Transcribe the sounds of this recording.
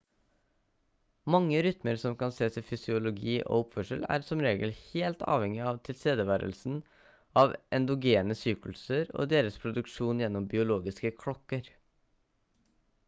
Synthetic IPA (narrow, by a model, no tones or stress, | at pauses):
mɑŋːəɾʏt̪məɾsɔmkɑnseːsɪfʏsɪʊlʊɡiːʔo̰ːʊpfœʂəlæ̰ːɾsɔmɾeːɡəlheːlt̪ɑ̰ːʋhɛŋɪɑʋt̪ʰɪlst̪eːd̪əʋæːɾə̰lsn̩ | ɑʋʔɛnd̪ʊɡeːnəsyːklsəɾo̰ːd̪eːɾəspʰɾʊd̪ʉkʂuːnjɛnːɔmbɪʊloːɡɪskəkʰɽɔkːəɾ